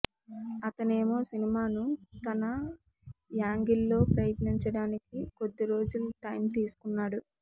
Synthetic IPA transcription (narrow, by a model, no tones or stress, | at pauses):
ɐt̪ɐne̞ːmo̞ːsinimaːnut̪ɐnɐ | jaːŋɡilːo̞ːpɾɐjɐt̪niɲt͡ʃɐɽaːnik̚iko̞d̪ːiɾo̞ːd͡ʒuluʈɐjmt̪iːsu̥kunːaːɽu